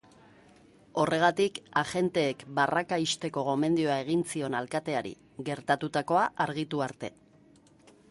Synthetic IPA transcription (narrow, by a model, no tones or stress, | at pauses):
o̞re̞ɣ̞at̪ikaʝe̞nt̪e̞ːkbarakaist̪e̞ko̞ɣo̞me̞nd̪io̞ae̞ɣ̞int͡sio̞nalkat̪e̞aɾḭ | ɣe̞ɾt̪at̪ut̪ako̞aʔaɾɣ̞it̪uaɾt̪e̞̰